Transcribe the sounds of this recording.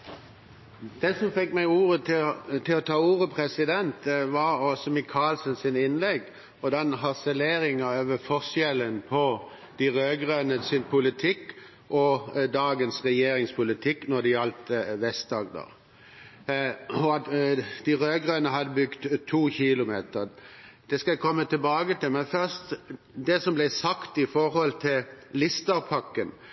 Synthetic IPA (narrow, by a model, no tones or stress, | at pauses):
d̪̥ɛsɔmfɛkːmæɪuːʁət̪ʰɪt̪ʰɪlɔt̪ʰɑːuːʁəpʰʁɛsɪd̪ɛnt̪ʋɑɾɔsɔmɪkʰɑːlsənsɪnɪnlɛɡ | ɔd̪ɛnɦɑsɛleːɾɪŋɑøːʋəfɔʁsjɛlənpʰɔ | d̪̥ɪʁøːɡʁønəsɪnpʰʊlɪt̪ʰɪk | ʔɔd̪ɑːɡənsʁɛjeːɾɪŋspʰʊlɪt̪ʰɪkːnɔd̪ɪɑlt̪ʋɛst̪̚d̪ɑːɡd̪ɑ̰ʁ | ɔɑt̪d̪̥ɪɾøːɡʁøːnəɦɑd̪əbʉɡt̪t̪ʰːuːçɪlʊmeːt̪əɾd̪̥ɛskɑækʰɔmːət̪ʰɪlbɑːɡət̪ɪlmɛnfœʁst̪ | d̪ɛsɔmblæɪsɑkt̪ɪfɔɾhɔlt̪ʰɪllɪst̪ɑʁpʰɑkːən